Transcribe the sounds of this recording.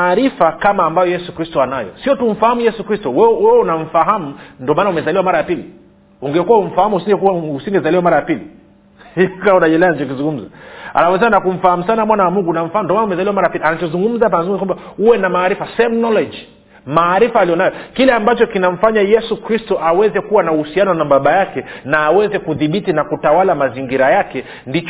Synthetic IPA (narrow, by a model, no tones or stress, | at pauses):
aːɾifakamaːmbajɔjɛsukɾistɔanajɔ̰siɔtum̩fahamujɛsukɾistɔwɛwɛɛunam̩faɦamundɔmanaumɛzaliwamaɾajapili | uŋɡɛkuwaum̩fahamuhusiŋɡɛkuausiŋɡɛzaliwamaɾajapili | ikaunaʄɛlɛanat͡ʃɔkizuŋɡum̩zaa̰lafɔs̬ɛanakum̩faham̩sanamwanawamuŋɡunam̩faamndɔwanumɛzaliwamaɾajapilianat͡ʃɔzuŋɡum̩zap̬anazuŋɡumzakwambauwɛnamaːɾifasɛmnɔlɔd͡ʒi | maːɾifaːlijɔnajɔkilɛambat͡ʃɔkinam̩faɲajɛsukɾistɔʔawɛzɛkuwanauhusianɔwnambaɓajakɛnaːwɛzɛkuðiɓitinakutawalamaziŋɡiɾajakɛ | ndit͡ʃ